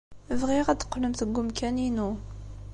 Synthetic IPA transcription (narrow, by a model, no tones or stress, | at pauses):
vʁiʁæd̪ə̥qːləmθəɡːʊmkæninu